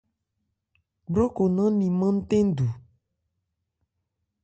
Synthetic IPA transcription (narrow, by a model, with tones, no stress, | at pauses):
ɖɾo˦ko˨nã˦nĩ˨mã˦n̩˦t̪ẽ˦n˦d̪u˨